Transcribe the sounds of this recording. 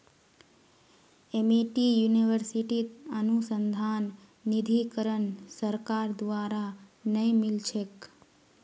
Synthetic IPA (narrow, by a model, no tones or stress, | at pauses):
emeʈijuniʋəɾsiʈit̪ənusənd̪ʱanː | id̪ʱikəɾəɳsəɾkaɾd̪ʋaɾanəĩmilt͡ʃʰek